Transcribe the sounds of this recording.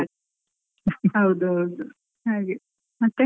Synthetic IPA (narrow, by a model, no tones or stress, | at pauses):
ɦɐwd̪uɦɐwd̪u | ɦaːɡe | mɐt̪ːe